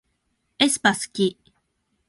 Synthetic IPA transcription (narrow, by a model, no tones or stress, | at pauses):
espaskiʔ